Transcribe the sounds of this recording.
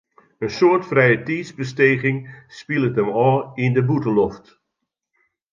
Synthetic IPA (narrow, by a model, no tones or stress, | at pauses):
ənsoərtfrɛjətiːsbəsteːɣɪŋspilˠətəmɔːindəbutənlɔft